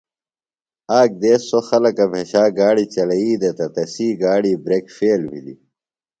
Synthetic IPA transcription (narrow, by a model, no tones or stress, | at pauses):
aːk̚d̪eːsːoxɐlɐkɐbʱeɕaːɡaːɽit͡ɕɐlɐiːd̪ɐt̪ɐt̪ɐsiːɡaːɽiːbɾeːkfeːlbʱḭlḭ